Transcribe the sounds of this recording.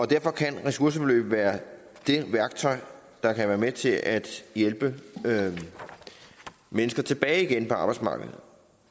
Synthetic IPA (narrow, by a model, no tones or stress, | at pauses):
ɒ̽d̥æɐ̰fɒ̽kʰænʁɛsuɐsəb̥elø̰ːb̥ʋæːɐ | d̥e̝ʋæɐɡ̥̚t͡sʰɒ̽ɪ̰ | d̥ɑ̈kʰæʋæːɐmet͡sʰe̝lʔæd̥jelb̥ə | menəsɡ̥ɐt͡sʰe̝b̥ɛːɪiɡ̥enpʰɒ̽ɑ̈b̥ɑɪd̥smɑ̈ːɡ̥əð̩ˠ